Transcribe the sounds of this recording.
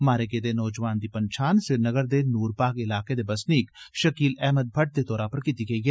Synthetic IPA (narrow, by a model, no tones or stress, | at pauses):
maːɾeɡed̪eːnɔːd͡ʒʋaːnd̪iːpəɲt͡ʃʰaːnsɪɾnəɡəɾd̪eːnuːɾpaːɡɪlaːked̪eːbɐsniːkʃəkiːlɛːməd̪̚bʱəʈ̚d̪eːt̪ɔːɾaːpəɾkit̪iːɡɐiːɦɛː